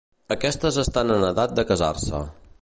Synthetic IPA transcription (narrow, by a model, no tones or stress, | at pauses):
əkɛst̪əzəst̪anənəðat̪̚d̪əkəzarsə̰